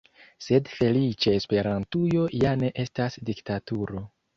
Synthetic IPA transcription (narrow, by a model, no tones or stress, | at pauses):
se̞dfe̞lit͡ʃeespe̞ɾantujo̞jane̞ʔe̞stasdiktatuɾo̞